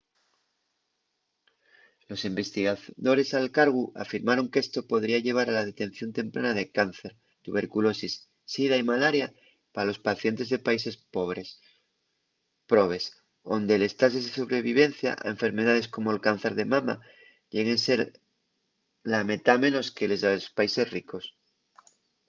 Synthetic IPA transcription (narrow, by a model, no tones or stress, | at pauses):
lo̞simbe̞st̪iɣaðo̞ɾe̞salkaɾɣ̞ua̰fiɾmaɾo̞ŋke̞st̪o̞po̞ðɾiaʝe̞β̞aɾalað̞e̞t̪e̞n̟θjo̞nt̪e̞mpɾanaðe̞kan̟θeɾ | t̪uβe̞ɾkulo̞sisː | iðaimalaɾja | paalo̞spaθje̞nt̪e̞zðe̞paise̞spoβɾes | pɾoβ̞e̞s | o̞nd̪e̞le̞st̪asezðeso̞βɾe̞β̞iβ̞e̞n̟θja̰ʔa̰eɱfe̞ɾme̞ðað̞e̞sko̞moelkan̟θe̞ɾðe̞mama̰ | ʎeɣense̞ɾ | lame̞t̪amẽ̞no̞skelezðeospaise̞sriko̞s